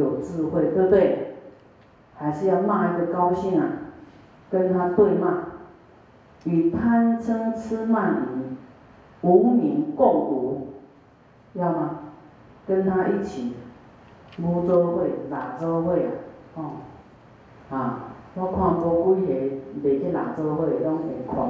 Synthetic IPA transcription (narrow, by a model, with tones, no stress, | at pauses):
jo˨˩t͡sɹ̩˥˧hwe˥˧˨t̪ə˧t̪we˥˨ | ha˨ɪsi˥˧ja˧mã˥˧i˦˧ɡə˨ka˦wɕi˦na˨˩ | kə˦˥nt̪ʰã˦t̪we˥˧mã˥˧˨ | i˨˩pʰa˥˧nt͡sʰə˦ŋt͡sʰɨ˦ma˥˧˨ni˨ | u˨˦mĩ˨˦ŋkɔ˥˧˩ŋʔu˨˦ | ja˥˧mã˧ | kə˦nt̪ʰã˦˥ʔi˦˥˩t͡ɕʰi˨˩ | ɡu˦t͡sɔ˦hwe˥˧˨la˨˩t͡sɔ˦hwe˥˧˨a̰˨˩kɔ˥˧˨ŋ | hã˨˩lɔ˦ŋkʰwã˥˧˨ŋ˧pɔ˧kwu˦ɦe˨be˨˩ki˦la̰˨˩t͡sɔ˧˦hwe˥˨lɔ˦ŋe˨˦kʰwa̰˨˩